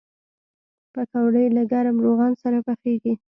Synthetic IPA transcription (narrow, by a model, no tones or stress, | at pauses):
pakawɽəjlaɡaɾamɾoɣɑnsaɾapaxeɡi